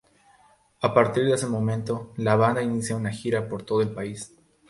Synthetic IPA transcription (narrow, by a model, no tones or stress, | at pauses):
apaɾt̪iɾðese̞mõ̞mẽnt̪o̞laβ̞and̪ainisjaunaxiɾapo̞ɾt̪o̞ðo̞elpais